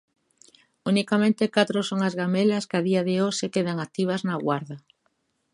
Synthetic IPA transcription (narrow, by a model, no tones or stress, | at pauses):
unikamẽnt̪ɪkat̪ɾʊsoŋɐzɣamelɐskaðiɐðɪosekeðɐŋak̚t̪iβ̞ɐznɐɣwaɾðɐ